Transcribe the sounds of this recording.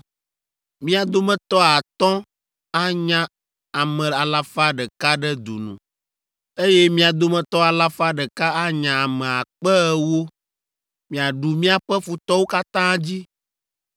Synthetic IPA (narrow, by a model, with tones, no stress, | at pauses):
mĩ˦a˨d̪o˦mɛ̃˦t̪ɔ˦a˨t̪ɔ̃˦ | a˦ɲã˦ | a˨mɛ̃˨a˨la˦fa˦ɖɛ˨ka˦ɖɛ˦d̪ṵ˨nṵ̃˨ | e˦jɛ˦mĩ˦a˨d̪o˦mɛ̃˨t̪ɔ˦a˨la˦fa˦ɖɛ˨ka˦a˦ɲã˨a˨mɛ̃˨a˨k͡pɛ˦ɛ˦wo˦ | mĩ˨a˨ɖu˨mĩ˦a˨ɸɛ˦fu˨t̪ɔ˦wo˦ka˦t̪ã˦d͡ʑi˦